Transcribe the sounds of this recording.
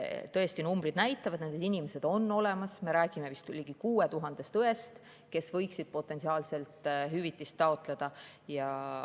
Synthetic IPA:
t̪ɤ̞e̞st̪inumbɾid̪̥næjt̪ːˑɑvɑd̪nend̪ed̪inimesed̪̥o̞nːo̞le̞mɑsme̞ɾæːɡ̥ime̞vist̪kulʲːiɡ̥ikuːe̞t̪uɦɑnd̪̥e̞st̪ɤe̞st̪ | ke̞svɤjksid̪̥̚po̞t̪ːˑe̞nsiɑːlse̞lt̪ˑɦyvit̪ːˑist̪ːɑo̞t̪ˑle̞d̪̥ɑjɑ

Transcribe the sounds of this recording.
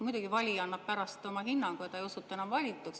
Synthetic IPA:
mujd̪uɡ̥ivɑlʲiɑnːɑp̚pæɾɑst̪omɑhinːɑŋɡ̥uet̪ːejosut̪ːˑɑe̞nɑmvɑlʲit̪ːˑuks

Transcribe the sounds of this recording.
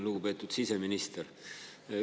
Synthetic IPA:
luɡupe̞ːt̪ːˑud̪̥siseminist̪eɾ

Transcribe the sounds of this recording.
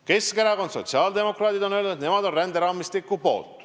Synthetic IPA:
ke̞skeɾɑɡo̞nso̞̰t̪ʲsiɑːld̪e̞mo̞krɑːd̪id̪onølnud̪t̪ne̞mɑd̪o̞nrænd̪eɾɑːmist̪ikːˑupo̞̰ːlt̪ˑ

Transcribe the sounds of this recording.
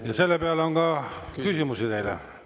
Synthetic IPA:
jɑselːæpeælːæoŋɡ̥ɑːkysymysit̪eilæ̰

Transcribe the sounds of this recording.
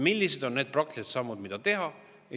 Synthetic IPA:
milʲːised̪̥o̞nːe̞ːd̪̥̚prɑk̚t̪liset̪sɑmːud̪̥mid̪̥ɑt̪e̞ɦɑ

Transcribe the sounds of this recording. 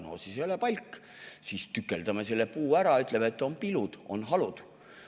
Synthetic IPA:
noːsisejolepɑjlʲkː | siːst̪ykːˑe̞ld̪̥ɑme̞se̞lːe̞puːæɾɑyt̪ˑle̞met̪ːˑo̞npilud̪̥o̞̰nɦɑlud̪̥

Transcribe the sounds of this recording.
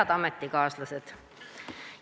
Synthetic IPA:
ɑd̪̥ɑmet̪ːikɑːslɑsed̪̥

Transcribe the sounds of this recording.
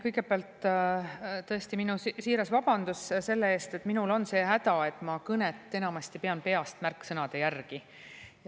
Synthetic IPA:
kɤjɡ̥e̞peɑlt̪ː | t̪ɤ̞e̞st̪iminusiːɾɑsvɑb̥ɑnd̪̥usse̞lːee̞ːst̪e̞t̪ˑminulo̞nse̞ːɦæd̪̥ɑe̞t̪ːˑmɑkɤnet̪ːe̞nɑmɑst̪ipe̞ɑnpe̞ɑst̪mærkːsɤnɑd̪̥e̞jærɡ̥i

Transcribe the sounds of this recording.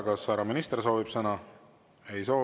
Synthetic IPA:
kɑsːɑɾɑminist̪rs̬o̞ːvib̥sɤnɑ | e̞jso̞ː

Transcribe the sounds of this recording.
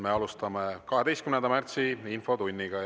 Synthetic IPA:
me̞ɑlust̪ɑmekɑɦe̞d̪est̪kymnend̪ɑmært̪siinfo̞t̪unʲːiɡ̥ɑ

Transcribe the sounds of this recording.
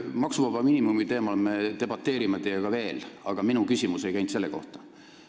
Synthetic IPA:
mɑksuvɑb̥ɑminimumit̪e̞ːmɑlme̞t̪e̞b̥ɑt̪ːe̞ːɾimet̪ejeɡɑve̞ːlɑɡ̥ɑminukysʲimuse̞jkæjnt̪se̞lːeko̞̰ht̪ɑ̥

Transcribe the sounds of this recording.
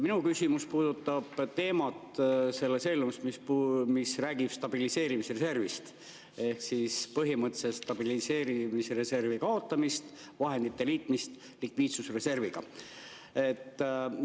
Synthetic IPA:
minukysʲimuspuːd̪ut̪ːɑb̥t̪e̞ːmɑt̪se̞lːese̞lnumsmispmisræːɡib̥st̪ɑb̥ilise̞ːɾimisrese̞rvist̪ | e̞hksispɤɦimɤt̪ːˑsest̪ɑb̥ilise̞ːɾimisre̞se̞rvikɑo̞t̪ˑːɑmist̪ | vɑɦe̞nd̪̥it̪ːe̞liːt̪ˑmist̪ | likviːt̪susre̞se̞rviɡ̥ɑ̰ | e̞t̪ː

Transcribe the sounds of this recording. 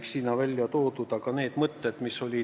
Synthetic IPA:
ksiːnɑvælʲjɑt̪o̞ːd̪ud̪̥ɑɡɑne̞ːd̪̥mɤt̪ːed̪̥miso̞lʲi

